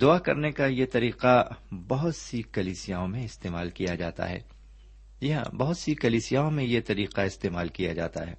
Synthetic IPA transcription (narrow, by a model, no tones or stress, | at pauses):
d̪ʊakɐ̰ɾnekajet̪ɐɾiːqabɐɦʊt̪sikɐliːsijaːõmẽɪst̪eːmaːlkijad͡ʒaːt̪a̰ɦɛ̰ː | jɐɦã̰bɐɦʊt̪sikɐliːsijaːõmẽjet̪ɐɾiːqaɪst̪eːmaːlkijad͡ʒa̰ːt̪a̰ɦɛ̰ː